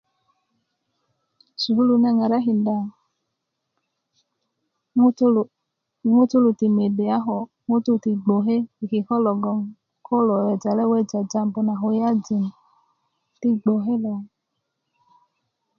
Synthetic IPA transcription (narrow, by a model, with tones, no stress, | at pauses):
su˨hu˦lu˧nɛ˧ŋa˨ɾa˦ɦi˨n˦da˨˦˨ | ŋo˦to˦lu˨ti˨me˨de˨a˦ɦɔ˨ | ŋo˦tu˦˨ti˨ɡ͡bo˨ɦe˦i˨ki˨hɔ˦lɔ˨ɡɔ˧m | kɔ˦lɔ˨jɛ˨d͡ʒa˨lɛ˦wɛ˦d͡ʒa˨d͡ʒa˧m˨bo˨na˨ɦo˨ja˦d͡ʒi˨m˨ | ti˧ɡ͡bo˨ɦe˦lɔ˨